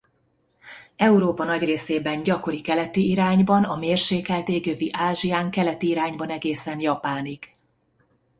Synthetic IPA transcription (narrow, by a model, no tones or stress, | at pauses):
ɛuɾoːpɒnɒɟreːseːbɛnɟɒko̞ɾikɛlɛt̪iiɾaːɲbɒnɒmeːrʃeːkɛlt̪eːɡøviʔaːʒiaːŋkɛlɛt̪iiɾaːɲbɒnɛɡeːsɛnjɒpaːniɡ̥